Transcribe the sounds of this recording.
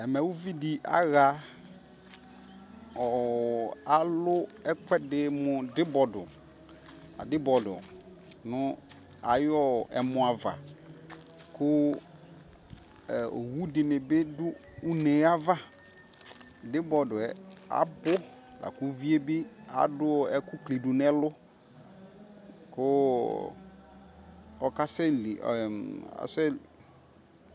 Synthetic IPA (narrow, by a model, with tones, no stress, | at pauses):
ɛ˨mɛ̃˨wu˦vi˦di˨ʔa̰˨˦ɣa˨ | ɔ˨ | a˨lʊ˦ɛ˦kʷɛ˦dɪ˨˦mʊ̃˨dɪ˦bɔ˨dʊ̰˨ | a̰˨dɪ˦bɔ˨dʊ̰˨ | nʊ̃˦ | a̰˨jɔ˦ɛ̰˨mʊ̃˨a˨va̰˨ | kʰʊ˦˨ | o̰˨wu˦dɪ˨nɪ˨bɪ˦dʊ˦ | ʊ˦ne˨˦a˦va˦ | dɪ˦bɔ˨dʊ˨ɛ˨a̰˨bʊ˦la̰˨kʊ˦vi˦e˦bɪ˦a̰˨dʊ˦˨ɛ˦kʊ˦kli˨dʊ˨nɛ˦lʊ˦ | kʊ˦ | ɔ˨ka˦sɛ˦lḭ˨a̰˨sɛ˦